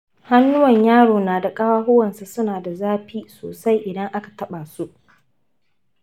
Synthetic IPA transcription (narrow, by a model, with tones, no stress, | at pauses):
ha˦nːʊ˦wɐ˨ɲjaː˦ɽoː˨naː˨da˨kʼa˦waː˦ɦʊ˦wɐ˨nsa˨sʊ˦naː˨da˨zaː˦ɸiː˦soː˨sa˦jʔɪ˨dɐ˦ŋʔa˦ka˨tɐ˦ɓa˨su˦ʔ